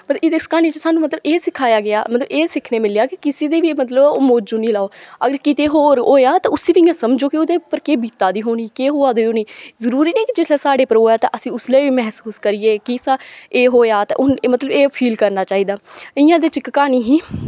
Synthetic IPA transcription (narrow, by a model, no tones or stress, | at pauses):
məɪd̪ɪskaːniːt͡ʃəsaːnũːmət̪ləbeːsɪkʰaːjaːɡɪa̰ːmət̪ləbeːsɪkʰneːmɪleaːkɪkɪsiːd̪eːʋiːmət̪̬ləboːmoːd͡ʒoːniːlaːoːəɡəɾkɪt̪eːɦoːɾoːjaːt̪ãːʊsĩːʋiɪjãːsəmd͡ʒoːkɪʊd̪eːpəɾkeːbiːt̪aːd̪iːɦoːniːkeːɦoːaːd̪eoːniːzəɾuːɾiːneiːkɪd͡ʒɪseːsaːɽeːpəɾɦoːjaːt̪ã̰ʔəsĩːʊsleːʋiːmɛɦsuːskəɾiːeːkɪsãːeːɦoːjaːt̪ã̰ːʔʊnmət̪ləbeːpʰiːlkəɾnaːt͡ʃaːiːd̪aːɪjãːd̪eːt͡ʃɪkkaːniːɦiː